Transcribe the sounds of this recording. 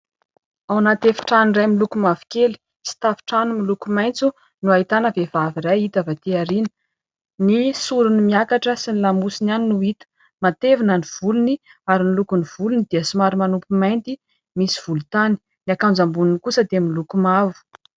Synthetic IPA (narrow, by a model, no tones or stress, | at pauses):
awnat̪efi̥ʈ͡ʂanrajmilukumavi̥keli̥ | si̥t̪afi̥ʈ͡ʂanumilukumajnt͡su | nuait̪anəvevaviɾajit̪avat̪eaɾinə̥ | nisuɾunimiakaʈ͡ʂəsinilamusinaninuit̪ə̥ | mat̪evinəniv̥uluniaɾinilukuniv̥ulunid̪̥iəsumaɾimanupumajnt̪i | misiv̥ulut̪ani̥ | niakand͡zambuninikusəd̪emilukumavu̥